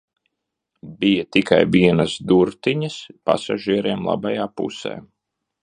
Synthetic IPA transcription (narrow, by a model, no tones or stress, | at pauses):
bijat̪ika̰jviɛnasd̪uɾt̪iɲɐspa̰saʒiɛɾiɛmlˠa̰bajaːpṵsɛ̰ː